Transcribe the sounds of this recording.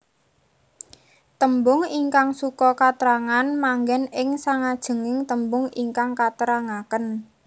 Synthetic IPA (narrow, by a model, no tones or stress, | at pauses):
t̪əmbʊŋiŋkaŋsukɔkat̪əɾaŋanmaŋɡɛnɪŋsaŋad̥ʒ̥ə̤ŋɪŋt̪əmbʊŋiŋkaŋkat̪əɾaŋakən